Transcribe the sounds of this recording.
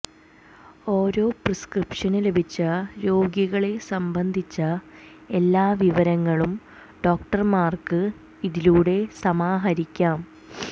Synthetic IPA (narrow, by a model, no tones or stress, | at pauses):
o̞ːɾo̞ːprɨskrɨpʂɐnɨle̞bʱit͡ɕːɐɾo̞ːɡjɐɣɐɭe̞sɐmbɐnd̪ʱit͡ɕːɐ | elːaːʋiʋɐɾɐŋːɐɭum | ɖo̞ːk̚ʈɐrmaːrkɨ | iðiluːɽe̞sɐmaːɦɐɾikʲːaːm